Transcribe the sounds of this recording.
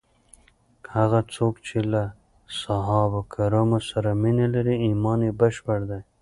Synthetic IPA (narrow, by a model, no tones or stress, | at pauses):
haɣat͡sʰoːkt͡ʃʰela | saɦɑːbakʰaɾamosaɾaminalaɾiimɑːnebaʃpaɽd̪aj